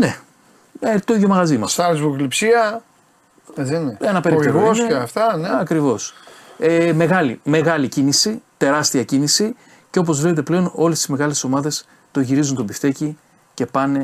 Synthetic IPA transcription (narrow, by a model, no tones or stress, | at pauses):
ne | et̪o̞iðjo̞mɐɣɐzimɐsɐlzvuklipsiɐ | eðineenɐpe̞ɾieosneeɐft̪ɐneɐkɾivo̞seme̞ɣɐlime̞ɣɐlicinisit̪e̞ɾɐst̪iɐcinisi | ceop̬o̞zvle̞pet̪e̞ple̞o̞no̞le̞st̪izme̞ɣɐlesso̞mɐðe̞s | t̪o̞ʝiɾizunt̪obift̪eci | ce̞pɐne̞